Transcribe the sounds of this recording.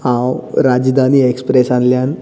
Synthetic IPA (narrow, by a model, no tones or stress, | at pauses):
hãwɾad͡ʑd̪ʱaniːekspɾesãnljan